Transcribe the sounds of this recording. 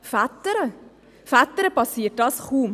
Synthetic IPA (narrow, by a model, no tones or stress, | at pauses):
fæt̪əɾə | fæt̪əɾəpɑsiːt̚d̥ɑsχuːm